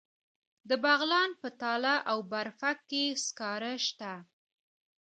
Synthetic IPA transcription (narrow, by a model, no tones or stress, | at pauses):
d̪əbaɣlɑnpət̪ɑlaʔawbaɾfakːeskɑɾəʃt̪a